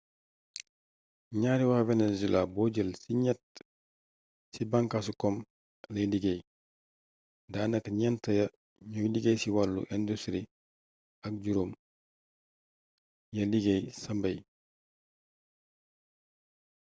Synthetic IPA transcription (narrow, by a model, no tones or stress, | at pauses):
ɲaːɾiwavɛnezilabɔːɟəlsiɲɛt̚ | sibaŋkasukɔm | lɐjdiɡej | daːnɐkɲɛntɐjɐ | ɲudiɡejsiwalːṵʔɛndustɾi | ɐk̚ɟuɾom | jɐliɡejsɐmbɐj